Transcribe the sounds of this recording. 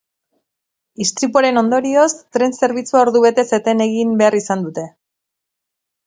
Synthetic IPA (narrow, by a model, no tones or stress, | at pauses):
ist̪ɾipoɾe̞no̞nd̪o̞ɾio̞st̪ɾe̞nse̞ɾβit͡suao̞ɾðuβe̞t̪e̞se̞t̪ene̞ɣ̞imbe̞arisand̪ut̪e̞